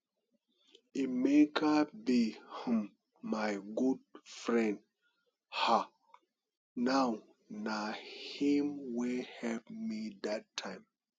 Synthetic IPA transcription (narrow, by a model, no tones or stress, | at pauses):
imekʰabihĩmː | ajɡud̚fɹɛ̃nd̚ | ha | naw | nahĩmwihɛlpmidatʰːãɪ̃m